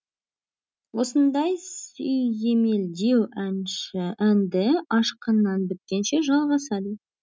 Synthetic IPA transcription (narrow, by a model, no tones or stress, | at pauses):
wo̞sənd̪ɑjsʏjje̞me̞ld̪e̞wænʃænd̪ɪɑʃqənːɑnbɪp̚kʲe̞nʃeʒɑlˠʁɑsɑd̪ə